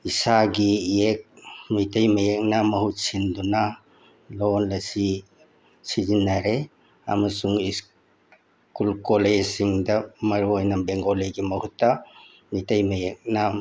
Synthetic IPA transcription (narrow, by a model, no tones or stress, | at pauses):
isaɡiek̚mitɐjmɐjek̚namɐhut̚sinduna | lonlɐsi | sizinːaɾe | a̰mɐsuŋis | kulkolesiŋdɐmɐɾuojnɐbeŋɡoleɡimɐhutːɐ | mitɐjmɐjek̚na